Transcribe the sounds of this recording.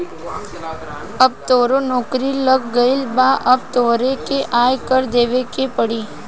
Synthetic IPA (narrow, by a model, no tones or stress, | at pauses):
ɐb̚t̪oːɾonɔːkɾiləɡːəɪlbaːʔɐb̚t̪oːɾekeʔaːjkəɾd̪eːʋekepəɽiː